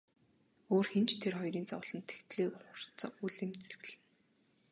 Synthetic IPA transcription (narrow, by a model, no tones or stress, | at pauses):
oːrxent͡ɕt̪ʰerχɔjɾiːnt͡sɔ̰wɮ̥ə̆nt̪ʰːe̥xt̪ɮeːχʊr̥t͡sə̆uɮĭmt͡sĕɮɣɘ̆ɮɘ̆n